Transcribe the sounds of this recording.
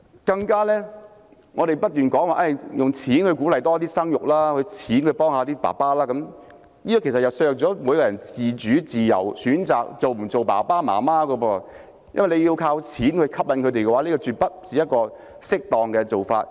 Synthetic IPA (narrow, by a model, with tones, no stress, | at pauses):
kɐ˧ŋkaː˥lɛː˥ | ŋɔː˨˧ɾe˨jpɐ˥t̚t̪yː˨˩nkɔː˨˥ŋwaː˨ʔɐ˧˩jjʊ˨ŋt͡sʰiː˨˥nhɵ˧ɥkuː˨˥lɐ˨jt̪ɔː˥t̪iː˥sɐ˥ŋjʊ˨k̚laː˥kʰɵ˨˧t͡sʰiː˨˥nkʰɵ˧ɥpɔː˥ŋhaː˧t̪iː˥pa̰ː˨˩paː˥laː˥kɐ˨˥m | niː˥t̪ɔː˧kʰe˨˩sɐ˨tjɐ˨˩wsœː˧˨k̚t͡sɔː˨˥muː˨˥jkɔ˧jɐ˨˩nt͡siː˨t͡ʃyː˨˥t͡siː˨˩jɐ̰˨˩wsyː˨˥nt͡saː˨k̚t͡so˨wm̩˨˩t͡so˨wpa̰ː˨˩paː˥ma̰ː˨˩maː˥kɔ˧wɔː˧ | jɐ˥nwɐ˨jle˨˧ji˧wkʰaː˧wt͡sʰiː˨˥nkʰɵ˧ɥkʰɐ˥p̚lɐ˧nkʰɵ˨˧ɥt̪̬e˨jkɛ˧waː˨˥liː˥kɔː˧t͡ʃyː˨˧t̚pɐ˥t̚t͡siː˨jɐt̚kɔː˧ | sɪ˥k̚t̪ɔː˨ŋkɛː˧t͡so˨wfaː˧t̚